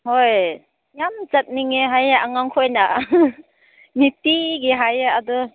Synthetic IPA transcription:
hoj | jamzat̚niŋeɦajaaŋaŋkʰojna | nitiɡiɦajaːdɔ

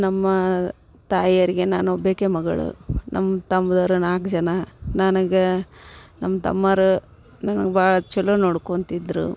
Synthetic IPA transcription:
nɐmːɐ | t̪aːjɐɾiɡe̞naːnuobeːkemɐɡɐ̰ɭṵnʔɐ̰mːɐt̪ɐmbɐd̪ɐɾunaːkd͡ʒɐnɐnɐnɐɡe | nɐmːɐt̪ɐ̰mːɐɾu | nɐnɐɡebaːɭɐt͡ʃɛlːunoːɽkont̪id̪ɾṵ

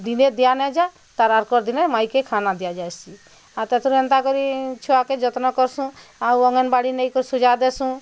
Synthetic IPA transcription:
d̪ined̪ijanɛd͡ʒa | t̪aɾaɾkɔɾd̪inemajkekʰanad̪ijad͡ʒajsi | aɾt̪ɛt̪ʰɾuɛnt̪akɔɾit͡ʃʰɔaked͡ʒɔt̪nɔkɔɾsũawɔŋɔnbaɽinɛjkɔɾisud͡ʒad̪ɛsũ

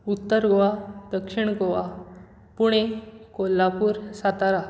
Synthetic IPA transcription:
ut̪ːəɾɡoʋad̪əkʂiɳ̃ɡoʋa | puɽ̃ekolːapuːɾsat̪aɾa

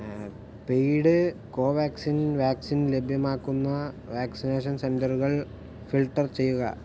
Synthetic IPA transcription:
peːɽɨkoːʋaːksinʋaːksinle̞bʱjɐmaːkːunːɐ | ʋaːksineːʂ̬ɐnsendɐruɣɐɭ | filʈːɐrt͡ɕe̞jːuɣɐ̰

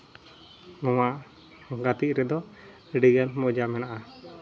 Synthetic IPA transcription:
nɔmaʔ | ɡat̪iʔɾɛd̪ɔ | ɖiɡɛnmɔd͡ʒamɛnaʔa

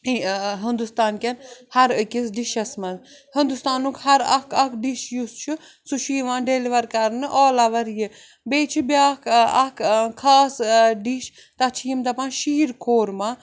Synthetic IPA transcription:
ɦɨnd̪ust̪aːnkʲɐnhɐɾɨkʲisɖiʃɐsmɐn | hɨnd̪ust̪aːnukhɐɾɐkʰɐkʰɖiʃjust͡ʃʰu | suʃiːʋãːnɖeliʋɐɾkɐɾnɨʔɔːlɐʋɐɾjɨ | beːt͡ʃʰibʲaːkʰɐkkʰaːsɖiʃ | t̪ɐt͡ʃʰijimd̪ɐpãːnʃiːɾkʰoːɾma

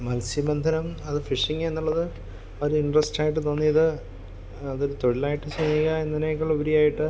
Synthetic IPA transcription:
mɐlsimɐnd̪ʱɐnɐmɐðɨfiʂiŋːe̞nːuɭːɐðɨ | oɾuiɳɖrɐsʈaːjiʈ̬ːɨt̪o̞ːnːijɐðɨ | ɐðo̞ɾut̪o̞ɻilaːjiʈːɨsɐniːɣɐenːɐnekːɐɭobɐɾijaːjiʈːɨ

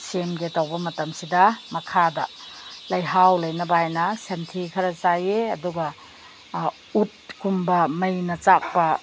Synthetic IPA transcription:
semɡetɐwbɐmɐtɐmsidɐmɐkʰadɐ̰lɐjɦawlɐjnɐbɐajnɐsentʰikʰɐɾɐt͡ʃajeɐ̰duɡɐ | ut̚kumbɐmɐjnɐt͡ʃak̚pɐ

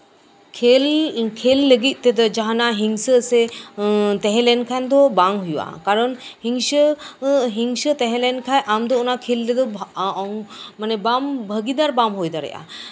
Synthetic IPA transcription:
kʰelkʰelːəɡit̪̚ˀt̪ed̪əd͡ʒaɦanaɦiŋsəːse | t̪ɛɦɛ̃lɛnkʰand̪ɔbaŋɦujuwa̰kaɾənhiŋʃə | ɦiŋsət̪ɛɦɛ̃lɛnkʰajʔamd̪ɔunakʰelːed̪ɔ | manɛbambʱəɡid̪aɾbamɦojd̪aɾə̰ja̰

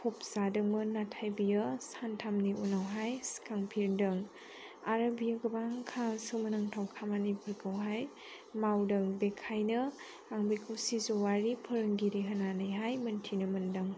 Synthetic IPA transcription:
pʰop̚z̥adɯŋmɯnatʰajbijɯsantʰamniʔunawɦajskʰaŋpʰiɾdɯŋ | aɾɐbijɐɡɐbaŋkʰasɯmɐnɯŋtʰawkʰamanipʰɯɾkʰɯwɦaj | mawdɐŋbekʰajnɯ | aŋbikʰɯwsizowaɾipʰɯɾɯŋɡiɾiɦənanɯjɦajmɐntʰinɯmɐndɐŋ

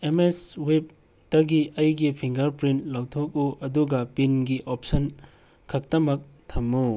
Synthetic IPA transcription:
emeswep̚ | d̥ɐɡiɐjɡipʰiŋɡɐɾpɾintlawtʰok̚uʔɐduɡɐpinɡiʔop̚sɐn | kʰɐk̚tɐmɐk̚ | tʰɐmːu

